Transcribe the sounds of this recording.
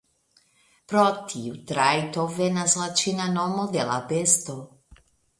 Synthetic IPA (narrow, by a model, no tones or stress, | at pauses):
pɾot̪ʰiut̪ɾajt̪ovɛnazlat͡ʃinanɔmod̪elapest̪o